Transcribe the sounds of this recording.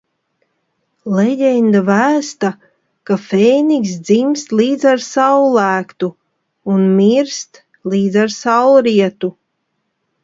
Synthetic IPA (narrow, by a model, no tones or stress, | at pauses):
lɛɟɛnd̪avæːst̪a | kafɛjniksd̪zimst̪liːd̪zaɾsawlˠæːkt̪u | unmiɾst̪ | liːd̪zaɾsawɾiɛt̪u